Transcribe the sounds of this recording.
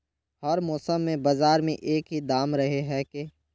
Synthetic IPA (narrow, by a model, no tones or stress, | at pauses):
həɾmɔːsəmːẽbaːzaːɾmḛ̃ʔeːkɦid̪aːmɾɐɦeɦɛkeː